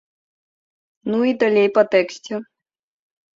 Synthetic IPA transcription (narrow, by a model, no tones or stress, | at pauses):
nuid̪ɐlʲejpɐt̪ɛksʲtʲu